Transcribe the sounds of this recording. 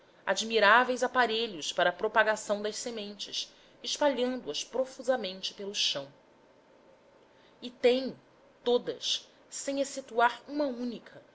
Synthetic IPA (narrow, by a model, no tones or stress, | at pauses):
a̰d͡ʒmiɾavejzapaɾeʎʊspaɾɐpɾopaɡasɐ̃w̃d̪ɐʃsemẽnt͡ʃɪs | ɪʃpaʎɐ̃nd̪ʊɐspɾofuzɐmẽnt͡ʃɪ̥pelʊʃɐ̃w̃ | ɪt̪ẽj̃ | t̪od̪ɐ̰s | sẽj̃eset̪uaɾũmɐũnikʰɐ